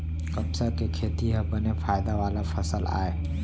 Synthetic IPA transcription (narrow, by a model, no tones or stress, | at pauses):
kɐbsəɾkekʰeːt̪iɦɐbənefʰaːjd̪aʋaːlafʰɐsəla̰ːeː